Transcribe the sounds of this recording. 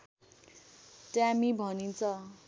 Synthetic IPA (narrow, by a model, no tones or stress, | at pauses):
ʈjamibʱʌnint͡sʰʌ